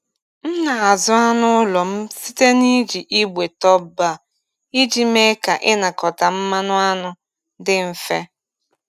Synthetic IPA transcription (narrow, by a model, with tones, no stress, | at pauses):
n̩˦na˨a˨zʊ˦a˦nʊ˦ʊ˦lɔ˨m̩˦si˦te˦ni˦d͡ʒi˨ʔi˦ɡ͡bʷe˨tɔ˦ba˦˨ | i˦d͡ʒi˦me˦ka˨ʔɪ˦na˨kɔ˨ta˨m̩˦ma˦nʊ˦a˦nʊ˦ | dɪ˦m̩˨fe˦